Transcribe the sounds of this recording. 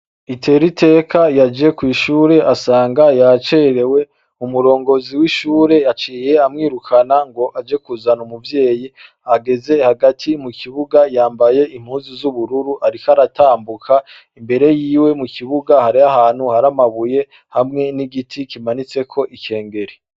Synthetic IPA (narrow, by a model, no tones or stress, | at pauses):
itʰe̞ːɾitʰe̞ːkʰajad͡ʒe̞kwiːʃuːɾe̞ʔasaːŋɡajat͡ʃeɾe̞we̞ | umuɾo̞ːŋɡo̞ziwiʃuːɾe̞at͡ʃiːje̞amŋiːɾukʰanaŋɡo̞ʔad͡ʒe̞kuzanumuvje̞ːji | aɡe̞ze̞haɡatʰimukiβuɡajaːmbaje̞ʔim̥huːnzizuβuɾuɾuʔaɾikaɾatʰaːmbukʰa | imbe̞ɾe̞jiːwe̞mukiβuɡahaɾiaɦaːn̥huhaɾamaβuje̞ | hamŋe̞niɡitʰikimanit͡se̞kʰo̞ʔike̞ːŋɡe̞ɾi